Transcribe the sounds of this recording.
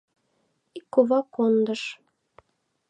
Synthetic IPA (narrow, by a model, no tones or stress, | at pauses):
ikːoβɑkond̪əʃ